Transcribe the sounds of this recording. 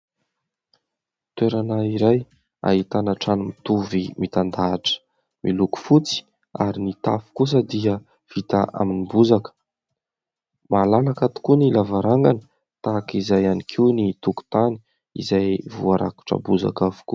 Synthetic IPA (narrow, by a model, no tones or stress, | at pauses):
t̪eɾanaiɾaj | a̰ɦit̪anaʈ͡ʂanimit̪uvimit̪and̪aːʈ͡ʂə̥ | miluku̥fut͡si̥ | aɾinit̪afu̥kus̬əd̪iə | v̥it̪aʔa̰minibuzakə̥ | malalakat̪u̥kunilavaɾaŋɡanə̥ | t̪akizajanikʰiwnit̪uku̥t̪ani̥ | ḭzajvuaɾa̰ku̥ʈ͡ʂə̰buza̰kavu̥ku